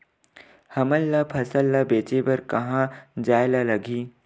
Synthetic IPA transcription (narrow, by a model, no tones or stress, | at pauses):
hɐməlːapʰɐsəlːabeːt͡ʃebəɾkɐɦãd͡ʒaːjlalɐɡʱiː